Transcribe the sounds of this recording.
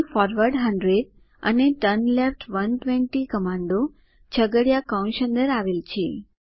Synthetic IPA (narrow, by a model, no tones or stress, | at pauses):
fɔɾʋəɾɖɦəɳɖɾeɖ | ə̰neʈənlefʈʋənʈʋẽɳʈikəmãɳɖo | t͡ʃʰəɡəɽjakawnʃə̃nd̪əɾaʋelt͡ʃʰe